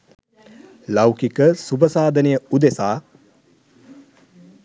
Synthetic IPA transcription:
lawkikəsubəsaːd̪ənejəud̪esaː

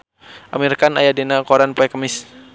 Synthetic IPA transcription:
ʔa̰mirkanajadinakɔɾanpɛkəmɪs

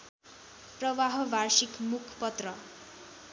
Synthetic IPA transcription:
prʌʋaɦʌbʱaɾsikmukʰpʌt̪rʌ

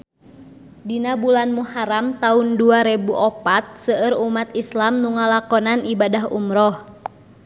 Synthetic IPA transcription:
dinabulanmuhaɾamt̪aunduaɾɛbuʔɔpat̪̚səəɾumat̪islamnuŋalakɔnanibadaɦṵmɾɔh

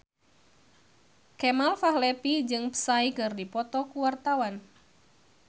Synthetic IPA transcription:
kɛmalfahlɛpid͡ʒɨŋpə̥saikɨrdipɔt̪ɔkuwart̪awan

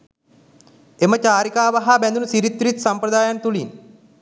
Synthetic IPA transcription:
emət͡ɕaːɾikaːʋaɦabɛnd̪unəsiɾit̪ːɾit̪sampɾəd̪aːjant̪ulin

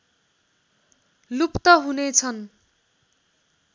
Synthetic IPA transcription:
lupt̪ʌɦunet͡sʰʌn

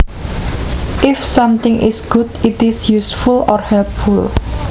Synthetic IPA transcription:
ʔɪfsʌ̃mt̪ɪ̃ŋʔɪ̰sɡ̥ʊtɪtɪsjusfulɔrhɛlp̚ful

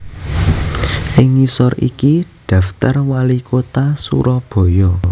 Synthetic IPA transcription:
ʔɪŋːisɔɾḭkiɖ̥a̤ft̪arwalikʰot̪asṵɾɔb̥ɔ̤jɔ

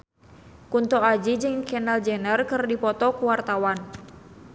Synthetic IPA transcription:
kunt̪ɔad͡ʒid͡ʒɨŋkɛnald͡ʒɛnərkɨrdipɔt̪ɔkuwart̪awan

